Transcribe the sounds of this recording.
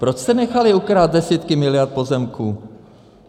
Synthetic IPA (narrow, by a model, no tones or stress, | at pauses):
pɾot͡ʃst̪ɛnɛxalɪukɾaːt̪̚dɛsiːt̪kɪmɪlɪjaɾt̪̚po̞zɛmkuː